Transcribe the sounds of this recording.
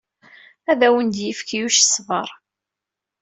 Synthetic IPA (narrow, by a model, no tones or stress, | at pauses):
æðæwənd̪jəfkijuʃsˤvəɾˤ